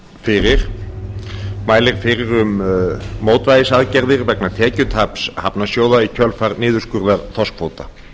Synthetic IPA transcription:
fɪɾɪɾ̥ | maːjlɪɾ̥fɪɾɪɾʏmː | oːwt̪vajðɪsaðcɛɾðɪɾvɛknat̪ʰɛːcʏt̪ʰapshapnasjoːwðaicʰœlfaɾnɪːðʏ̥skʏɾðaɾθɔskfoːwt̪a

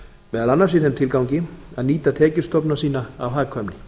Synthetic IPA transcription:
vɛːðalanːaɾsɪðθɛmt̪ʰɪlkawɲcɪaðniːt̪at̪ʰɛːcɪ̥st̪ɔpnasiːnaawɦaːkʰvœmnɪ

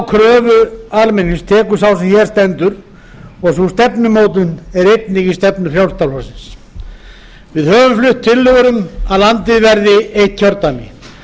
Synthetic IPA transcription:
wkʰɾœːvʏalmɪnːɪnst̪ʰɛːkʏɾ̥sawsɛmçɛɾst̪ɛnt̪ʏɾ | ɔɣsust̪ɛpnʏmoːwt̪̬ʏnɛɾejt̪nɪcɪst̪ɛpnʏfɾjawlst̪alɔsɪns | vɪðhœːvʏmflʏht̪ʰːɪlːʏɣʏɾʏmaðlant̪ɪðvɛɾðɪeht̪̚çʰœɾt̪anɪ̰

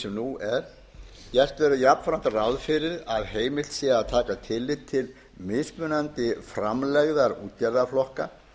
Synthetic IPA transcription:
sɛmnuɛɾ̥ | jɛr̥t̪vɛɾʏjapn̥fɾant̪rawðfɪɾɪɾaðɦeːjmɪlt̪siaaðt̪ʰaːkat̪ʰɪlːɪt̪ʰːɪl | mɪðspʏnant̪ɪfɾamlɛɣðaɾṵːt̪jaɾðaflɔhka

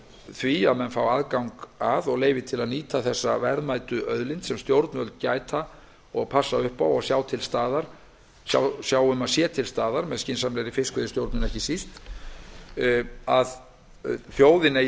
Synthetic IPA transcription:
θviaðmɛnfawaðkawŋkaðɔɣleːjvɪt̪ʰɪlaðniːt̪ʰaθɛsːavɛɾðmaːjt̪ʏʔœðlɪnt̪sɛmst̪jowɾt̪nvœlt̪̚caːjt̪ʰa | ɔɣpʰasːaʏhpawɔɣsjaːwt̪ʰɪlst̪aːðaɾ̥ | sja̰wsjaːwʏmasjɛːt̪ʰɪlst̪aːðaɾmɛðscɪnsamlɛɾifɪskʏðɪst̪jowɾt̪nʏnɛhcɪsist̪ | að | θjoːwðɪna

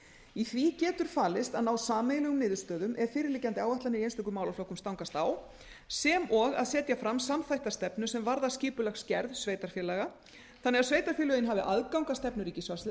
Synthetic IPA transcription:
iθvicɛːt̪ʏɾ̥faːlɪst̪aðnaːwsaːmejlɛɣʏmnɪːðʏst̪œːðʏmʔɛɾ̥fɪːɾɪlɪːcːant̪ɪaːwvaht̪lanɪiejnst̪ɛkʏmaːwlawflohkʏmst̪awŋkast̪aw | sɛmɔɣa̰ðsɛːt̪jafɾamsamθajht̪ast̪ɛpnʏsɛmvaɾðasciːpʏlaxscɛɾðsveːjt̪aɾ̥fjɛlɛɣa | θanːɛɣaðsveːjt̪aɾ̥fɛlœɣɪnɦaːvɪʔaðkawŋkast̪ɛpnʏɾiːcɪsvasɪ

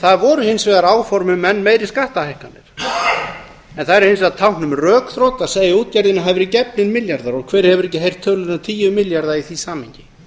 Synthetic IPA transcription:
θaðvɔɾʏhɪnsvɛːɣaɾaːwfɔɾmʏmːɛnːmeːjɾɪskaːht̪ahejhkanːɪɾ̥ | ɛnθaðɛɾɪnsat̪ʰawhknʏmrœːkθɾowt̪aseːjɪuːt̪̚cajɾðɪnɪɦavɪɾɪcɛplɪnmɪljaɾðaɾɔɣkʰvɛːɾ̥hɛvʏɾɛhcɪɦejr̥t̪ʰːœːlʏnat̪ʰiːjʏmɪljaɾðaiθisaːmhɪɲcɪ

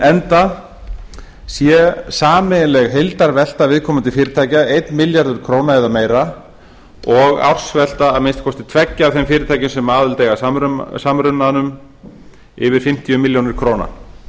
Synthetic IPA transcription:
ɛnt̪a | sjɛsaːmɪlɛɣɦejlt̪aɾvɛl̥t̪avɪðkʰɔːmʏnt̪ʰɪfɪːɾɪt̪ʰaːjcaejt̪nmɪljaɾðʏɾ̥kʰɾoːwnaɛðameːjɾa | ɔɣa̰wr̥svɛl̥t̪aːðmɪnst̪̚kʰɔst̪ɪt̪ʰvɛcːɪaːvθɛmfɪːɾɪt̪ʰaːjcɪnsɛmaːðʏlt̪ejɣaamɾʏsamɾʏnːanʏm | ɪvɪɾ̥fɪm̥t̪ijʏmɪljownɪɾ̥kʰɾoːwna̰

